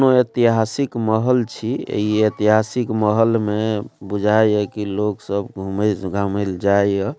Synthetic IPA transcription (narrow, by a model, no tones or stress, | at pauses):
noet̪iɦasikməɦəlt͡ʃʰiḛiet̪iɦasikməɦəlmebud͡ʒʱajɛkiloksəbɡʱumɡʱameld͡ʒajə